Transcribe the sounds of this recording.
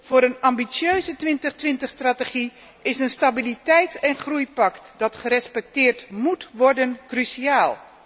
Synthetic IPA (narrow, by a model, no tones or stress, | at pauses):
v̥ʊːɾənɑmbisjøɥzətʋɪntəχtʋɪntəχstratəχi | ɪsənstabilitɛjtɛnχrujpɑktdɑtχəɾɛspɛk̚tɪːɹtmutʋɔɹdənkrysiaːlˠ